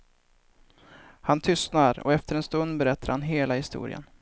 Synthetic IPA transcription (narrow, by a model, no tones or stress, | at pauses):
hant̪ʰʏst̪naɾɔ̰ɛft̪əɾɛnst̪ɵnd̪bɛɾɛt̪ʰːaɾhanɦeːlahɪst̪ṵːɾɪ̰ə̰n